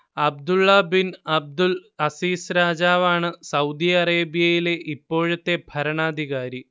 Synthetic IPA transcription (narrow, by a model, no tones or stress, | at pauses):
ɐb̚d̪uɭːɐbinɐb̚d̪ulɐsiːsɾaːd͡ʑaːʋaːɳɨsɐwd̪iɐreːbijɐjile̞ʔipːo̞ːɻɐt̪ːe̞bʱɐɾɐɳaːd̪ʱiɣaːɾi